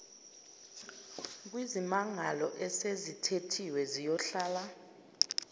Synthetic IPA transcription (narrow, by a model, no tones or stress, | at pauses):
k̬wizimaŋalɔʔɛsezitʰetʰiwɛzijɔɬaːla